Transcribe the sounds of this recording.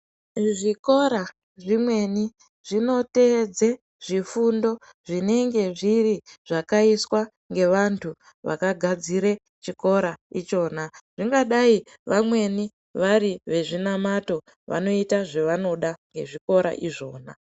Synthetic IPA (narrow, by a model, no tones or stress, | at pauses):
ʐiko̞ɾa | ʐimwe̞ni | ʐ̥ino̞te̞d͡ze | ʐ̥ifundo̞ | ʐine̞ŋɡe̞ʐiriʐ̥akaiswa | ŋɡe̞ʋantʰu | ʋa̰kaɡʱad͡ziɾe | t͡ʃiko̞ɾait͡ʃo̞ːnaʐ̥iŋɡaɗai | ʋamwe̞ni | ʋaɾiʋe̞ʐinamato̞ | ʋa̰no̞itaʐeʋano̞ɗaŋɡe̞ʐiko̞ɾa̰ʔiʐo̞ːna